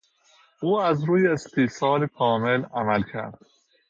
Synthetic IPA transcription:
ʔuːæzɾuːjeːst̪ʰiːsɒːlekʰɒːmelæmælcʰæ̰ɾd̪̥

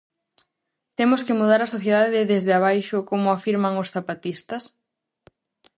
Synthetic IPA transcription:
t̪emoskɪmuð̞aɾasoθjeðaðɪðezðeaβ̞ajʃʊkomʊafiɾmɐŋʊsθapat̪ist̪ɐs

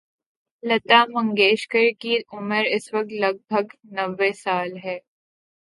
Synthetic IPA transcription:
lɐt̪aːmɐ̃ŋɡeːʃkəɾkiʊməɾɪswɐk̚t̪lɐɡ̚bʱəɡnɐʋːesaːlɦɛː

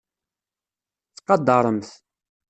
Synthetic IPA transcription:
θqɑd̪ːɑɾˤəmθ

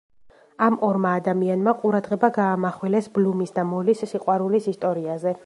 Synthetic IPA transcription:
amɔɾmaːd̪amianmaqʼuɾad̪ʁɛbaɡaːmaχwilɛsblumisd̪amɔlisːiqʼwaɾulisist̪ʼɔɾiazɛ

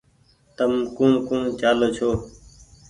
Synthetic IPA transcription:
t̪əmkũːkũːd͡ʒaːloːt͡ʃʰoː

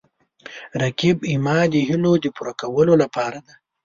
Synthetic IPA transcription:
ɾakibimɑd̪əɦilod̪əpuɾakawəlolapɑɾad̪a

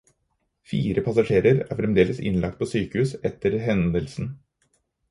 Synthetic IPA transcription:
fiːɾəpʰɑsɑʂeːɾəɾæ̰ɾfɾɛmd̪eːləsɪ̰nlʔɑ̰k̚t̪̚pʰoːsyːkəʉːsɛt̪ʰːəɾɦɛnd̪əlsn̩

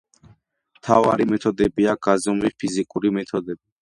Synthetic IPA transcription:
mt̪ʰava̰ɾimɛt̪ʰɔd̪ɛbiaɡazɔmlipʰizikʼuɾimɛt̪ʰɔd̪ɛbi

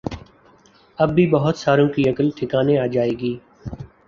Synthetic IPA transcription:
ɐbːibɐɦʊt̪saːɾõkiɐkəlʈʰɪkaːneaːd͡ʒaːeːɡiː

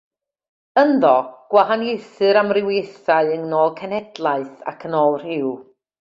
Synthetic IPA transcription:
ənðɔɡ̥waɦanejθɨɾamrɪwejθaɨəŋnoːlˠkʰɛnɛdlˠaɨθa̰kʰənɔr̥hɪw

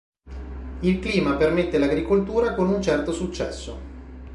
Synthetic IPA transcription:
ilkliːmapermet̪ːelaɡɾikolt̪uːɾakonunt͡ʃɛrt̪osut͡ʃːɛ̰sːo̰

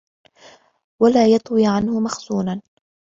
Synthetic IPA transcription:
walaːjɑt̪ˤwiːʕanhʊmaxsuːnan

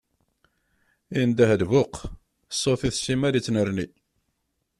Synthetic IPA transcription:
ind̪æhəðvʊq | sˤːofiθsimæɾit͡sːnəɾni

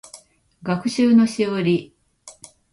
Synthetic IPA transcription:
ɡakɯ̟ɕɨːno̞ɕioɾʲi

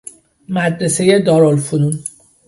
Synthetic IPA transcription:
mæd̪ɾesejed̪ɒːɾolfunun

